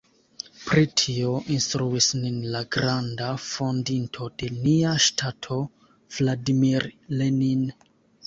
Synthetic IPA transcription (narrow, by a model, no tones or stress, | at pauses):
pɾitʰio̞ʔinstɾuisninlaɡɾandafo̞ndintʰo̞de̞niaʃtʰatʰo̞ | v̥ladimiɾlenin